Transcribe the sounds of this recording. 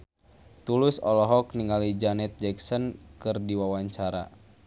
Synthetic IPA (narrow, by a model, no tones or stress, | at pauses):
t̪ulɪsɔlɔɦɔk̚niŋalid͡ʒanɛt̪̚d͡ʒɛksɔnkɨrdiwawaɲt͡ʃaɾa̰